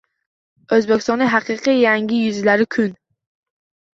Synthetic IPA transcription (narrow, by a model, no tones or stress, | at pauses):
ɵzbekʲʰɪst̪ɒnɪɦaqʰɨːqʰijaŋɡʲɪjʊzɪlaɾɪkʰʊn